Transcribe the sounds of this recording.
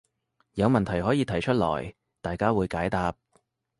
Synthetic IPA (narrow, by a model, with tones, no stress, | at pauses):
jɐ˨˧wmɐ˨˩nt̪ʰɐ˨˩jɦɔː˨˥jiː˨˧t̪ʰɐ˨˩jt͡ʃʰɵ˥t̚lɔ̰ː˨˩j | t̪aː˨jkaː˥wuː˨˧jkaː˨˥jt̪aː˨p̚